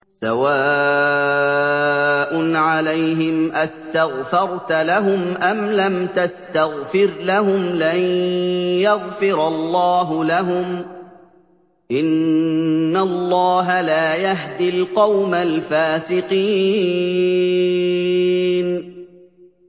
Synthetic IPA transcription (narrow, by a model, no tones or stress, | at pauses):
sa̰waː | ʔʊnʕalajɦɪmʔast̪aɣfɑɾˤt̪laɦʊmʔamlamt̪ast̪aɣfɪɾlaɦʊmlanjaɣfɪɾalːɑːɦʊlaɦʊm | ʔɪnː | alˤːɑːɦalaːjaɦd̪ilqɑwmalfaːsɪqiː | n